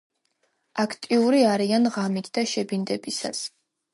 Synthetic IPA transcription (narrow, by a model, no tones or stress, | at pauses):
akʰt̪ʼiuɾiaɾianʁamit̪ʰd̪aʃɛbind̪ɛbisa̰s